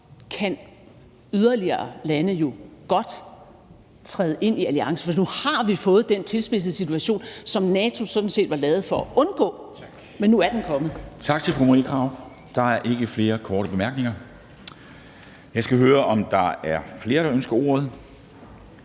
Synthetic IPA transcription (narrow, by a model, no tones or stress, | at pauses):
kʰæn | yðˠɐliɐːlænəjo̝ɡ̥ɒ̽d̥ | t͡sʰʁɛːð̩ˠʔe̝n̰iæliɑ̈ŋsə̥fɒd̥inuhɑ̈ʋifɔ̽ːð̞̩ˠd̥ent͡sʰe̝lsb̥e̝s̬əð̩ˠsit͡sʰuæɕo̝̰ːnsɒ̽mnɛːt͡sʰo̝sɒ̽d̥n̩se̝̰ːd̥ʋɑ̈lɛːð̞̩ˠfɒ̽æʔɔ̽nɡ̥ɔ̰̽ː | menːuæɐd̥enkʰɒ̽mð̩ˠt͡sʰɑ̈ɡ̥̚t͡sʰe̝lfʁumʁikʰʁɑ̈ʊ | d̥ɑ̈æɐʔe̝ɡ̥əfle̝ːɐkʰɒːɾəb̥e̝mæɐɡ̥ne̝ŋɐ | jɑ̈ɪsɡ̥æɦøːɐʔɒ̽md̥ɑ̈æɐfle̝ːɐɾɑ̈ønsɡ̥ɐoːɔð̩ˠ